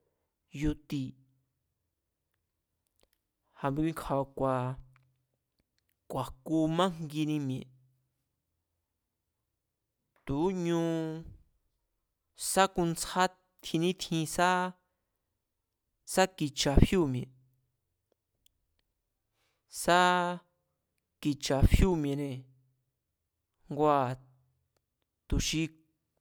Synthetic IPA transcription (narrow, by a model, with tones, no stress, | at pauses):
ju˧t̪i˧ | ha˧mbi˧ĩ˧ŋkʰa˧βa˧kʷa˨ | kʷa˨ku˧mã˦ŋ̥ɡi˧nĩ˧mj̃ẽ˨ | t̪u˨˦ɲũ˦˧ | sa˦ku˧nt͡sa˦ | t̪ʰĩ˧nĩ˦t̪ʰĩ˧sa˦ | sa˦ki˧t͡ʃa˨fju˦˨mj̃ẽ˨ | sa˦ | ki˧t͡ʃa˨fju˦˨mj̃ẽ˨nẽ˨ | ŋɡʷa˧˨ | t̪u˨ʃi˧